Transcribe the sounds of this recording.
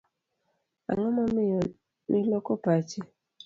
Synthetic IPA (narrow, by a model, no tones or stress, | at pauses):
a̰ŋɔmɔmijɔ | mʔilɔkɔpat͡ʃi